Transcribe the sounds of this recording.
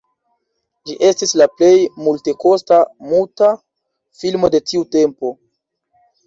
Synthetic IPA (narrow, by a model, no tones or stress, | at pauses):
d͡ʒiʔe̞stislaple̞jmulte̞ko̞stamuta | filmo̞de̞tiute̞mpo̞